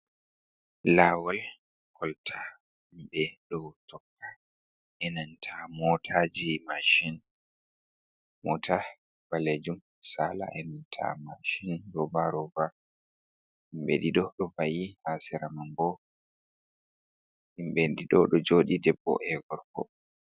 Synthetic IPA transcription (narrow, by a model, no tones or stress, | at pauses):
laːwal | kʰɔltʰa | imɓɛɗɔwtɔkːa | ʔɛnantʰamɔtʰad͡ʒimaʃin | mɔtʰa | b̥aled͡ʒum | sala̰ʔɛnantʰa̰maʃinɾɔbaɾɔba | himɓɛdiɗɔɗɔbajihasiɾamambɔ | imɓɛdiɗɔɗɔd͡ʒoɗidɛbːɔ̰ʔɛɡɔɾkɔ̰